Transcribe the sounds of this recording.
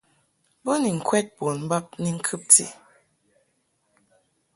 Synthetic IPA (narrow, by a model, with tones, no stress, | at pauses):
bo˦ni˨ŋ̩˨kʰwɛ˦t̚bo˨n̩˦ba˦p̚ni˦ŋ̩˦kʰɨ˦p̚tḭ˦